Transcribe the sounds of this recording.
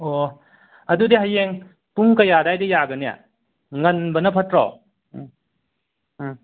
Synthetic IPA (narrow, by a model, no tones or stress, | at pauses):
o | ɐdudiɦajeŋ | puŋkɐjadajdejaɡɐnija̰ | ŋɐnbɐnɐpʰɐtɾɔ̰